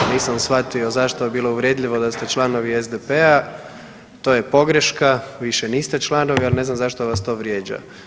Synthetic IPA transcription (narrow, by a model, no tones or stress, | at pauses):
niːsamsʋat̪io̞zaʃt̪ojebiːlˠo̞uʋɾje̞d̪ʎʲiʋo̞d̪ast̪e̞t͡ʃlˠano̞ʋiezd̪epea | t̪oːje̞po̞ɡɾeʃkaʋiʃeniːst̪e̞t͡ʃlˠano̞ʋialne̞znamzaʃt̪oʋast̪o̞ːʋɾjeːd͡ʒa̰